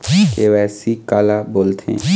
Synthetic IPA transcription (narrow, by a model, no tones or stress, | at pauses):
keʋɛːsikaːlaboːlt̪ʰḛ̃ː